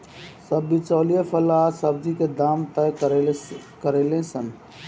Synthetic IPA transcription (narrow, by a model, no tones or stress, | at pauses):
səbːit͡ʃɔːlijepʰəlaːsəbd͡ʒiked̪aːmt̪əjk | kəɾeːlẽsən